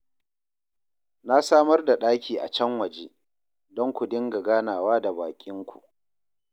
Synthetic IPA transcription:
na˦saː˦mɐ˦rda˨ɗaː˦kʲiː˨ʔa̰˨t͡ʃɛ˦ŋwɐ˨d͡ʒeː˦ | dɔ˦ŋkʷu˨dɪ˦ŋɡa˨ɡaː˦naː˨waː˦da˨baː˨kʲʼɪ˦ŋkʷʰṵ˨ʔ

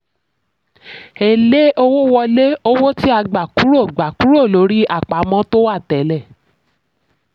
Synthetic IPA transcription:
e˨le˦ʔo˧wo˦wɔ˧le˦o˦wo˦ti˦a˧ɡ͡ba˨ku˨˦ɾo˦˨ɡ͡ba˨ku˨˦ɾo˦˨lo˨˦ɾi˦a˦˨k͡pa˨˦mɔ̃˦to˦wa˦˨tɛ˨˦lɛ˦˨

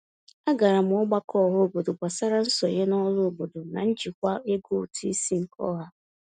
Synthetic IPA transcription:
a˦ɡa˨ɾa˨m̩˨˦ʊ˦ɡ͡ba˦kʰɔ˦˨ɦʊ˦o˨bo˨do˨ɡ͡bʷa˨sa˦ɾa˦n̩˦sɔ˨ɲe˦nɔ˦lʊ˦o˨bo˨do˨na˨n̩˦d͡ʒi˨kʷa˦e˦ɡo˦˨tʰi˦i˦si˦ŋ̩˨kʰɔ̰˦ɦa˦

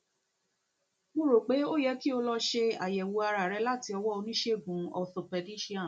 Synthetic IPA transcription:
mũ˦ɾo˨k͡pe˨˦o˦˨jɛ˨˦ki˦o˧lɔ˧ʃe˧a̰˨jɛ˨wu˧a˧ɾa˨ɾɛ˨˧˦la˦ti˧ɔ˧wɔ˦o˧nĩ˦ʃe˦˨ɡũ˨˦ɔ˧˨θo˨pɛ˨˧di˦ʃi˦ã˨

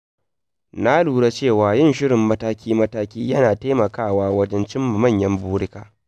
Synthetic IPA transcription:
na˦luː˨ɽa˦t͡ʃeː˦˨waː˨jɪ˦˨nʃɪ˦ɽɪ˨mːɐ˦taː˦kʲiː˦mɐ˦taː˦kʲiː˦jɐ˦naː˨ta˦mɐ˨kaː˦˨waː˦wɐ˦d͡ʒɛ˦nt͡ʃɪ˦mːa˨mɐ˦˨ɲjɐ˦mbuː˦ɽɪ˦kaː˨

